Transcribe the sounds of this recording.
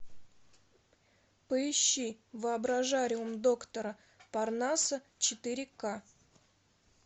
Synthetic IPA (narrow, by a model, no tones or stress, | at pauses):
pəɪɕːivɨɐbɾɐʐaɾʲɪʊmd̪o̞kt̪əɾə | parnasə | t͡ɕɪt̪ɨɾʲɪka